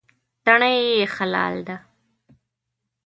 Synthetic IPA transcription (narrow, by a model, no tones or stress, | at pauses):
t̪aɳajexalɑ̰ːld̪a